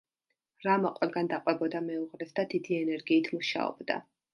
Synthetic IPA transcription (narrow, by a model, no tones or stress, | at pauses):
ɾamɔqʼwɛlɡand̪aqʼwɛbɔd̪amɛuʁɾɛsd̪ad̪id̪iɛnɛɾɡiːt̪ʰmuʃa̰ɔ̰bd̪a̰